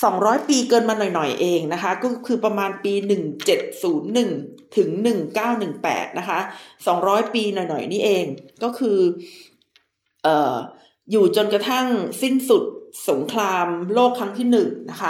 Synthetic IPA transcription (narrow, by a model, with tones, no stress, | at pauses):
sɔː˩˦ŋɾɔː˦˥jpiː˧kɤː˧nmaː˧nɔ˨˩jnɔ˨˩jʔeː˧ŋna˦˥kʰa˦˥kɔː˥˩kʰɯː˧pɾa˧maː˧npiː˧nɯ˨˩ŋt͡ɕe˨˩t̪̚suː˩˦nːɯ˨˩ŋ | t̪ʰɯ˩˦ŋnɯ˨˩ŋkaː˥˩wnɯ˨˩ŋpɛ̰ː˨˩t̪̚na˦˥kʰa˦˥ʔsɔ˩˦ŋɾɔː˦˥jpiː˧nɔ˨˩jnɔ̰˨˩jniː˥˩ʔeː˧ŋkɔː˥˩kʰɯː˧ | ʔɤː˨˩ | juː˨˩t͡ɕo˧nkɾa˧t̪ʰa˥˩ŋsi˥˩nsu˨˩t̪̚so˩˦ŋkʰlaː˧mloː˥˩kʰɾa˦˥ŋt̪ʰiː˥˩nɯ˨˩ŋna˦˥kʰa˦˥